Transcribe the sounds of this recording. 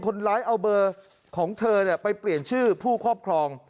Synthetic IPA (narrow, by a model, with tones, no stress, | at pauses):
nkʰo˧nlaː˦˥jʔa˧wbɤː˧ | kʰɔː˩˦ŋt̪ʰɤː˧ni˥˩əpa˧jpli˨˩ənt͡ɕʰɯː˥˩pʰuː˥˩kʰɔː˥˩p̚kʰɾɔː˧ŋ